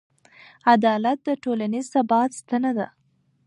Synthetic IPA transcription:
ad̪ɑlat̪̚d̪əʈolanizsabɑt̪st̪anad̪a

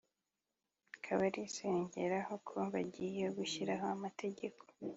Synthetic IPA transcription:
kʰaβaɾise̞ːɲɟe̞ɾahokʰoβaɟijeɡuçiɾaɦoamatʰe̞ɟe̞kʰo̥

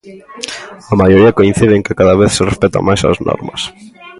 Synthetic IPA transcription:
ɐmajoɾiɐkoin̟θiðeŋkɪkaðaβ̞eθserespɛt̪a̰majsɐ̰znɔ̰ɾmɐ̰s

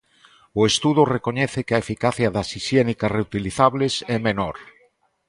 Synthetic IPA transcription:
ʊest̪uð̞orekoɲɛθekeaefikaθjaðasisjenikareut̪iliθaβlesɛmenoɾ

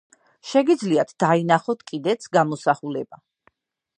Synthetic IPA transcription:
ʃɛɡid̪zliat̪ʰd̪̥ainaχɔt̪ʰkʼid̪ɛt̪sʰɡamɔsaχulɛb̥a

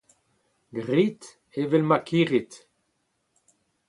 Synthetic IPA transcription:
ɡʁit̪ | evelmakʰiʁit̪

